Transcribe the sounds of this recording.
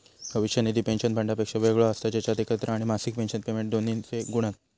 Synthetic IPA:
bʱəʋiɕjəned̪ʱipenɕənbʱəɳɖapekʂaʋeɡɭɔəst̪ad͡ʑat͡ɕjat̪ekət̪ɾaaɽ̃imasik̚penɕənpemẽɳʈ̚d̪onint͡seɡuɽ̃at̪

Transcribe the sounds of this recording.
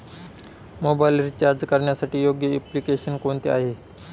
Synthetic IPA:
mobajlɾit͡ɕaɾd͡zkəɾɳjasaʈiːjoɡjəɛplikeɕənkoɳt̪eaɦe

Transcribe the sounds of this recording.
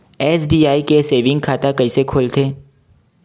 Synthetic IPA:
ɛːsbiːaːikeseːʋɪ̃ŋɡkʰaːt̪akɐisekʰʊlt̪ʰeː

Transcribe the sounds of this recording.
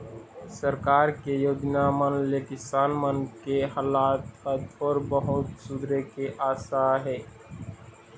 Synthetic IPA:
səɾkaːɾkejoːd͡ʒnaːmənleːkɪsaːnmənkeɦaːlaːt̪əd̪ɔːɾbəɦʊt̪sʊd̪ɾekeʔaːsaɦɛː

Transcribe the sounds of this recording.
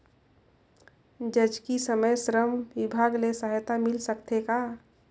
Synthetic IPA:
d͡ʒəd͡ʒkisəməjsɾəmwɪbʱaːɡlesəɦjt̪amɪlsəkt̪ʰeka

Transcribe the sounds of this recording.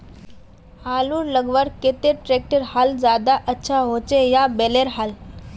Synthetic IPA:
haluːɾləɡʋəɾket̪eɾʈɾek̚ʈəɾhald͡zad̪aʔətːɕʰaɦot͡ɕejabeleɾɦal

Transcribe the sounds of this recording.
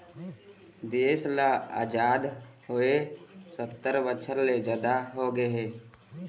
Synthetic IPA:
d̪eːslaa̰ːd͡ʒaːd̪hoesət̪ːəɾʋət͡ʃʰəɾled͡ʒad̪aɦoɡeɦeː

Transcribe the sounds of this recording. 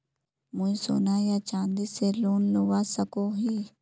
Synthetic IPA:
mũĩso̰ːnajat͡ʃãːnd̪iseloːnloːʋasəkoɦiː

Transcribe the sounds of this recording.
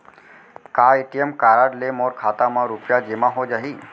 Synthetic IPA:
kaiʈiemkaɾaɖlemoɾkʰat̪amãɾupjad͡ʒemaɦod͡ʒaɦi

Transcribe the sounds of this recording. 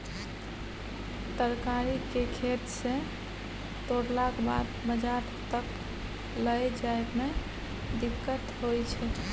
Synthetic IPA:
t̪əɾkaɾikekʰet̪sẽ | t̪oɾlakba̰d̪bəd͡ʒaɾ | t̪ək | ləjd͡ʒajme | d̪ikːət̪ɦojt͡ʃʰɛ

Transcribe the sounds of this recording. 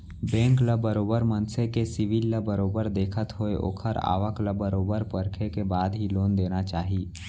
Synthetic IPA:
bɛ̃ːŋkləbəɾoːbəɾmə̃nsekesɪʋilːəbəɾoːbəɾd̪eːkʰət̪ɦoeʔo̰ːkʰəɾa̰ːʋəkləbəɾoːbəɾpəɾkʰekebaːd̪ɦiloːnd̪eːnat͡ʃaːɦi

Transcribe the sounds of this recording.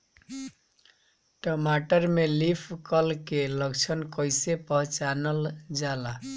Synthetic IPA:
ʈɔmaʈəɾmelipʰkəlkeləkt͡ʃʰənkəjsepəɦt͡ʃanəld͡ʒala

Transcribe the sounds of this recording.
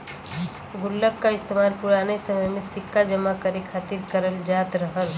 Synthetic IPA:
ɡʊlːəkːaɪst̪eːmaːlpʊɾaːnesɐməjmẽsɪkːad͡ʒəmakəɾekʰaːt̪iɾkəɾəld͡ʒaːt̪ɾəɦəl

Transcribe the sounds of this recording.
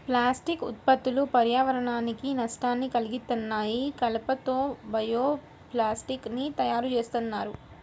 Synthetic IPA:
plaːsʈikut̪̚pɐt̪ːulupɐɾjaːʋɐɾɐɳaːnikinɐsʈaːnːikɐliɡit̪ːɐnːaːjikɐlɐpɐt̪o̞ːbɐjoː | plaːsʈiknit̪ɐjaːɾut͡ʃe̞ːst̪unːaːɾu

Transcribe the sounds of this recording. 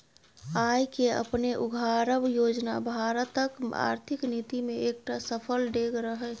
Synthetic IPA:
aːjkeə̰pneʔʊɡʱaːɾəbjoːd͡ʒna̰bʱaːɾət̪əka̰ːɾt̪ʰɪknit̪imẽeːk̚ʈasəpʰəlɖeːɡɾəɦɛ

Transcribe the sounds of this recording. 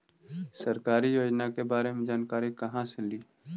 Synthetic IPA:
sɐɾkaːɾijoːd͡ʒnakebaːɾemẽd͡ʒaːnkaːɾikɐɦãseliː

